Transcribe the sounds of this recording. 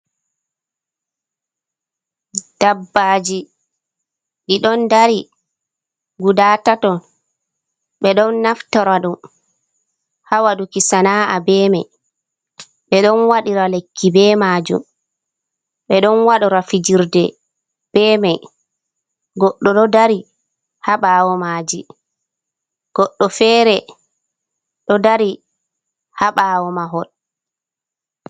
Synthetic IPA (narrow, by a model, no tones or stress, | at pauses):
d̥abːaːd͡ʒi | ɗiɗɔndaɾi | ɡudaːtatɔn | ɓɛɗɔnːaftɔɾaɗum | hawadukisanaːʔabɛːmaj | ɓɛɗɔnwaɗiɾalekʰːibɛːmad͡ʒṵm | ɓɛɗɔnwaɗɔɾafid͡ʒiɾdɛ | b̥ɛːmaj | ɡɔɗːɔɗɔdaɾi | haɓaːwɔmaːd͡ʒi | ɡ̥ɔɗːɔfɛːɾɛ | ɗɔdaɾi | haɓaːwɔmaɦɔl